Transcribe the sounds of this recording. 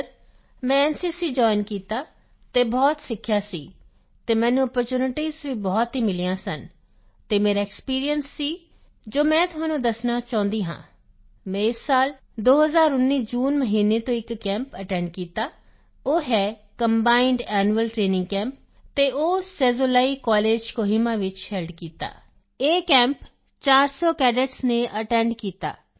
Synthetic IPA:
ɾ | mɛ̃ːɛːnsiːsiːd͡ʒɔːɪnkiːt̪aː | t̪eːbɔːt̪sɪkʰːjaːsiː | t̪eːmɛ̃ːnũːɔːpəɾt͡ʃuːnɪʈiːzʋiːbɔːt̪ɦiːmɪlijãːsən | t̪eːmeːɾaːɪkspiːɾijənsːiː | d͡ʒoːmɛ̃ːt̪ʊɦaːnũːd̪əsnaːt͡ʃãːnd̪iːɦã̰ː | mɛ̃ːɪsːaːl | d̪oːɦəzaːɾʊnːiːd͡ʒuːnməɦiːnet̪õːɪkːɛ̃ːmpəʈɛ̃ːɳɖ̚kiːt̪aː | oːɦɛːkəmbaːɪɳɖɛːnuəlʈɾeːnɪ̃ŋɡkɛ̃ːmp̚ | t̪eːʔoːsɛːzoːlaːikɔːleːd͡ʒkoːɦimaːʋɪt͡ʃhɛlɖkiːt̪a̰ː | eːkɛ̃ːmp | t͡ʃaːɾsɔːkɛːɖeʈsneʔəʈɛ̃ːɳɖkiːt̪a̰ː

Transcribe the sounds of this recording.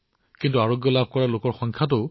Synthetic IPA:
kintuaɹoɡjɔlab̚ʱkɔɹalokɔɹxɔŋkʰatʊ

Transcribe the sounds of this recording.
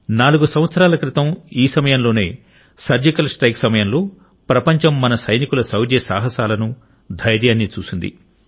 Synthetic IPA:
naːluɡusɐm̃ʋɐt̪sɐɾaːlɐkɾit̪ɐmiːsɐmɐjɐmlo̞ːne̞ː | sɐɾd͡ʒikɐlsʈɾɐjksɐmɐjɐmloː | pɾɐpɐɲt͡ʃɐmːɐnɐsɐjnikulɐsɐwɾjɐsa̰ːɦɐsaːlɐnu | d̪ʱɐjɾjaːnːiːt͡ʃuːsind̪ḭ

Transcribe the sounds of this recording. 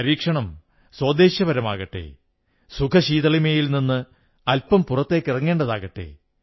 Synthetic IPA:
ɐɾiːkʂɐɳɐm | swɐːd̪eːɕjɐʋɐɾɐmaːɣɐʈːḛː | sukʰɐɕiːðɐɭimeːjilninːɨ | ɐlpɐmpurɐt̪ːe̞ːkːirɐŋːe̞ːɳɖɐðaːɣɐʈːe̞̰

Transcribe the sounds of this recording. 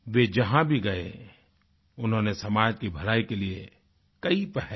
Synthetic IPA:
ʋed͡ʒɐɦãbʱiɡɐḛ | ʊnɦõːnesɐmaːd͡ʒkibʱɐɾaːikelie | kɐipɛɦɛ

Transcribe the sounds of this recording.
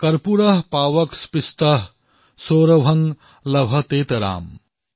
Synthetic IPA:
kɐɾpuɾɐɦpaːʋɐkspist̪ɐɦ | soːɾɐʋʱɐŋ | lɐbʱɐt̪eːt̪ɐɾa̰ːm

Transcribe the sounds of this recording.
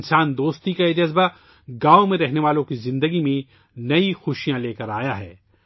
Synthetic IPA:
nsaːnd̪oːst̪ikaed͡ʒɐzba | ɡaːomẽɾɛɦneʋaːlõkizɪ̃nd̪əɡimẽ | nɐixʊʃijãleːkɐɾaːjaɦɛː

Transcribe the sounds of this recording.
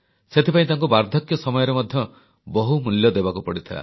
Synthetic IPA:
set̪ʰipaĩt̪aŋkubaɾd̪ʱɔkjɔsɔmɔjɔɾemɔd̪ʱjɔ | bɔɦumuljɔd̪ebakupɔɽit̪ʰila̰

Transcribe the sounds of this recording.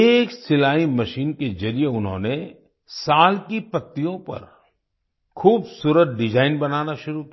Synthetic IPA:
eːksɪlaːimɐʃiːnkezɐɾijeʊnɦõ̰ːne | saːlkipɐt̪ːijõpɐ̰ɾ | xʰuːbsuːɾət̪̚ɖɪd͡ʒaːɪnbɐnaːnaʃʊɾukia

